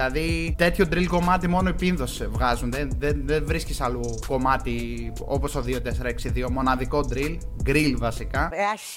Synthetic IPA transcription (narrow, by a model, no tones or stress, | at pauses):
lɐðit̪e̞t̪çod̪ɾilko̞mɐt̪imo̞no̞ipinðo̞svɣɐzunðenðenðenvɾiscisɐluko̞mɐt̪i | o̞̰po̞st̪oðio̞t̪e̞seɾɐeksiðio̞mo̞nɐðiko̞d̪ɾilɡɾilvɐsikɐeɐ